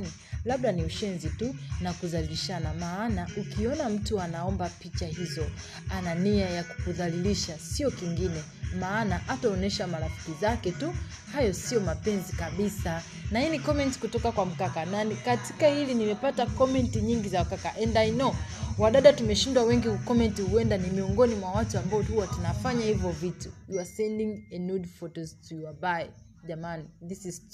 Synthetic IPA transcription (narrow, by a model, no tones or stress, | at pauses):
ni | laɓlaniuʃɛnzitunakuðaliliʃanamaːnaukiɔnam̩tuanaɔmbapit͡ʃahizɔ | ananiajaku̥kuðaliliʃasiɔkiŋɡinɛ | maːnaʔataɔnɛʃamaɾafi̥kizakɛtu | hajɔsiɔmapɛnzikaɓisa | nahinikɔmɛnti̥kutɔkakwam̩kakananikati̥kahilinimɛpatakɔmɛntiɲiŋɡizaukakaʔɛndajnɔwaɗaɗatumɛʃindwawɛŋɡiukɔmɛntihuɛndanimiɔŋɡɔnimwawatuambaɔthuwatunafaɲahivɔvitujuasɛndiŋɛnudfɔtɔztujuabai | ʄamaniðisiz